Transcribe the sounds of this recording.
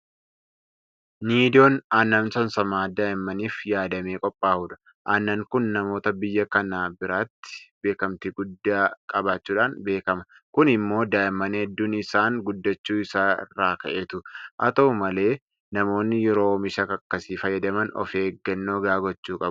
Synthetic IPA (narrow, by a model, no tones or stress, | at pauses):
niːd̪ɪoːnaːnːɐmsɐnsɐmaːd̪aːʔɪmːɐniːfjaːd̪ɐmeːkʼɔpʼːaːhuːᶑɐ̥ | ʔaːnːɐŋkʊnːɐmo̞ːt̪ɐbɪjːɐkɐnaːbɪɾaːt̪ːɪ̥be̞ːkɐmt̪ɪɡʊd̪ːaːkʼɐbaːt͡ʃːuːᶑaːnbe̞ːkɐmɐ | kʊnɪmːo̞ːd̪aːʔɪmɐnhɛd̪ːʊnɪsaːŋɡʊd̪ːɐt͡ʃːuːɪsaːɪ̰rːaːkɐʔeːt̪ʊʔɐt̪ɐʊmɐle̞ː | nɐmo̞ːnːɪjɛɾo̞ːmɪʃɐkɐkːɐsiːfɐjːɐd̪ɐmɐnɔ̰feːɡːɐnːoːɡaːɡɔt͡ʃːuːkʼɐb